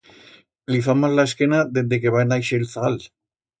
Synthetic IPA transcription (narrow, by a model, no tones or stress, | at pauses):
lifamazlaeskenaðend̪eke̞βaenajʃeːlθaal